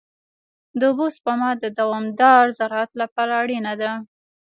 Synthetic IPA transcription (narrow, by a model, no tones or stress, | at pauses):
d̪əbospamɑd̪əd̪awɑmd̪ɑɾzaɾɑat̪lapɑɾaːɽinad̪a